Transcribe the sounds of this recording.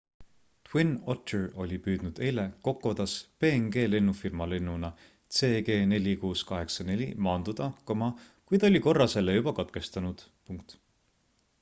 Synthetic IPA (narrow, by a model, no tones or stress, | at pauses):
t̪winotːero̞̰lʲipyːd̪̥nud̪e̞jle̞ko̞kːo̞d̪̥ɑspe̞ːŋɡ̥e̞ːle̞nːufirmɑle̞nːunɑ | t̪se̞ːɡ̥e̞ːne̞lʲikuːskɑɦe̞ksɑne̞lʲḭmɑːnd̪̥ud̪̥ɑkɑmɑ | kujd̪o̞lʲiko̞rːɑse̞lːejub̥ɑkɑt̪̚ke̞st̪ɑnud̪̥ | puŋk̚t̪